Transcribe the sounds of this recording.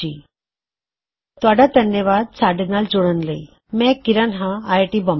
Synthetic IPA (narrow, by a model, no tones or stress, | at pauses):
ḭː | t̪ʋaɽad̪ʱənːjəʋad̪̚saɽənald͡zoɽənləi | mɛkiɾənɦãːjʈibəm